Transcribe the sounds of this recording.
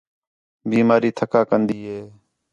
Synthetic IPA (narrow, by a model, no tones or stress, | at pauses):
biːmaːɾiːt̪ʰəkaːkənd̪iːɦeː